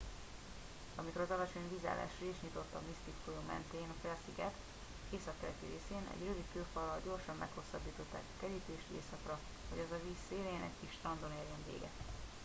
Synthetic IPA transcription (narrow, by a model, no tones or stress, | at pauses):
ɒmiko̞ɾɒzɒlɒt͡ʃo̞ɲbiza̰ːla̰ːʃreiʃɲit̪o̞t̪ːɒmist̪it̪kojomɛ̰nt̪eːnkrɛɒsiɡɛt̪ | eːsɒkːɛɾɛt̪iɾeːseːnɛ̰ɟrøvik̪køːfɒlːɒlɟo̞rʃɒmːɛkho̞sːɒbːiːt̪o̞t̪ːa̰ːkɒ̥kɛɾiːt̪eːʃḛːsɒkrɒ | ho̞ɟɒzɒviːsːeːlejɛnɛckiʃt̪ɒnd̪oneːljɛɱvḛːɡɛ̰t̪